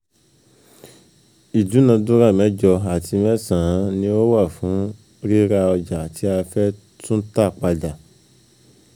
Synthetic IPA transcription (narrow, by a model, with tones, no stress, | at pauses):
i˨d͡ʒu˨˦nã˧dũ˦ɾa˦˨mɛ̃˨˦d͡ʒɔ˧a˨tʰi˧mɛ̃˦sã˨ã˨˦nĩ˦o˦wa˦˨fũ˨˦ | ɾi˦ɾa˧ɔ˧d͡ʒa˨ti˨˦a˧fɛ˦ | tʰũ˦ta˦˨k͡pa˧da˨